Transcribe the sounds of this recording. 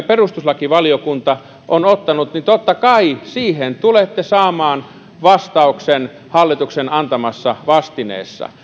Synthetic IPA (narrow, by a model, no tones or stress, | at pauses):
perust̪uslɑkiʋɑlijokunt̪ɑ | ʔonot̪ːɑnut̪nit̪ot̪ːɑkɑisiːhent̪ulet̪ːesɑːmɑːn | ʋɑst̪ɑuksen | hɑlːit̪uksenɑnt̪ɑmɑsːɑʋɑst̪inḛːsːɑ̰